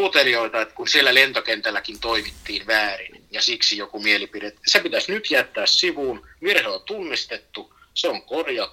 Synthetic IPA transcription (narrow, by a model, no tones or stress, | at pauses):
uot̪elioit̪ɑet̪kunsielːælent̪okent̪ælːækint̪oimit̪ːiːnʋæːrinjɑsiksijokumielipidet̪sepit̪æsnyt̪jæt̪ːæːssiʋuːnʋierhelont̪unːist̪et̪ːu | seoŋkorjɑ